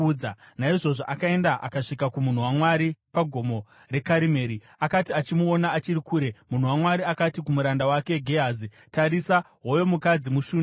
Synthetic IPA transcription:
d͡zanaiʐo̞ʐoʔakae̞ndaʔa̰kaʂikakumun̤uwamwaɾipaɡʱo̞mo̞ | re̞kaɾime̞ːɾi | akatiat͡ʃimuonaːt͡ʃiɾikuːɾe̞mun̤uwamwaɾiakatikumuɾandawake̞ɡʱeɦazi | taɾisa | ɦojo̞mukad͡zimuʃuːn

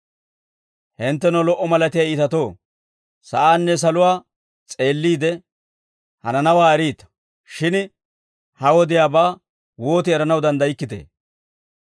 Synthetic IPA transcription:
hɪnt̪ːɛnɔlɔʔːɔmɐlɐt̪ɪjaiːt̪ɐt̪o̞ː | sɐʔaːnːɛs̬ɐlʊwaː | t͡sʼe̞ːlːiːd̪ɛ | hɐ̰nɐnɐwaːɛɾiːt̪ɐ̥ | ʃɪn | hɐwɔd̪ɪjaːbaː | wo̞ːt̪ɪɛɾɐnɐwd̪ɐnd̪ɐjɪkːɪt̪ḛː

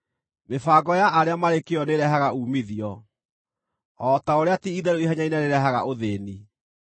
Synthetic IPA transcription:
mefaːɡɔjaʔaɾeamaɾekeɔneɾɛɦaɣauːmiðiɔ | ɔːtaoɾeatiiðɛɾoiɦaɲainaneɾɛɦaɣaʔoðeːni

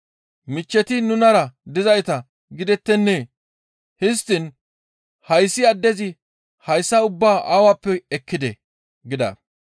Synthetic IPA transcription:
mɪt͡ʃːɛt̪ɪnʊnɐɾɐd̪ɪzɐjt̪ɐ | ɡɪd̪ɛt̪ːɛnːeː | hɪs̬t̪ɪn | hɐjsːɪɐd̪ːɛzɪ | hɐjsːɐʊbːaːʔaːwapːɛɛkːɪd̪ɛ̰ | ɡɪd̪ɐ̰

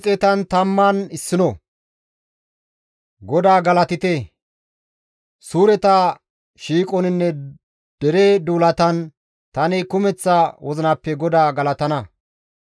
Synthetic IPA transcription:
t͡sʼɛt̪ɐnt̪ɐmːɐnɪsːɪnɔ | ɡɔd̪aːɡɐlɐt̪ɪt̪ɛ | suːɾɛt̪ɐ | ʃiːkʼɔnɪnːɛ | d̪̥ɛɾed̪uːlɐt̪ɐn | t̪ɐnɪkʊmɛt͡sːɐwɔzɪnɐpːɛɡɔd̪aːɡɐlɐt̪ɐnɐ

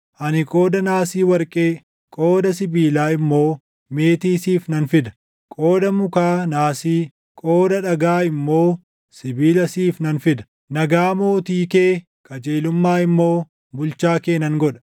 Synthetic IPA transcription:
ʔɐnɪkʼo̞ːd̪ɐnaːsiːwɐɾkʼeː | kʼoːd̪ɐs̬ɪbiːlaːɪmːoː | me̞ːt̪iːsiːfnɐnfɪd̪ɐ̥ | kʼoːd̪ɐmʊkaːnaːsiː | kʼo̞ːd̪ɐᶑɐɡaːɪmːo̞ː | sɪbiːlɐsiːfnɐnfɪd̪ɐ̥ | nɐɡaːmo̞ːt̪iːkeː | kʼɐd͡ʒeːlʊmːaːɪmːoː | bʊlt͡ʃaːkeːnɐŋɡɔᶑɐ̥

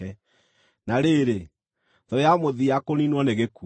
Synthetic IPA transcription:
ɛ | naɾeɾe | ðɔjamoðiakoninwɔneɣeku

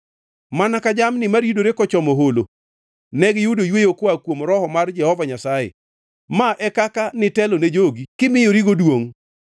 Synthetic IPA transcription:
manakad͡ʒamnɪmaɾjudoɾekɔt͡ʃɔmoɦolo | nɛɡjudojwejokwakwomɾɔhɔmard͡ʒɛhɔvaɲasajḛ | maʔɛkakanɪtɛloned͡ʒoɡikɪmɪjoɾiɡodwoŋ

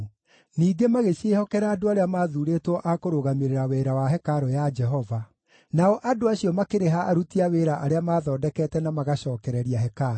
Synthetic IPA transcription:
niːɡemaɣeʃehɔkɛɾaːdoaɾeamaːðuɾeːtwɔʔakoɾoɣameɾeɾaweɾawaɦɛkaɾɔjad͡ʒɛɦɔva | naɔʔadoaɕiɔmakeɾeɦaʔːɾutiaweːɾaʔaɾeamaːðɔːdɛkɛtɛnamaɣaɕɔːkɛɾɛɾiaɦɛkaɾ

